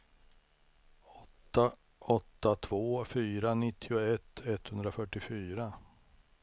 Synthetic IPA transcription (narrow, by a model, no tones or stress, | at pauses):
ɔt̪ːa | ɔt̪ːat̪ʰvoːfyːɾanɪt̪ʰːɪʊɛt̪ʰːɛt̪hɵnd̪ɾafœʈːɪfyːɾa